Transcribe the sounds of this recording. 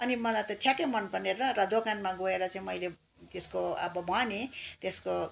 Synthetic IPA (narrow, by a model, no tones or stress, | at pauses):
ʌnimʌlajt̪ʌtʰjakemʌnpʌneɾʌrʌd̪okanmaɡoeɾʌt͡sãĩmʌjle | t̪eskoʌ̰bʌbʱʌnit̪esko